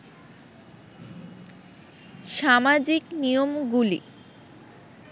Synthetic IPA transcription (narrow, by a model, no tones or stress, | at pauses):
ʃamad͡ʑiknijomɡulḭ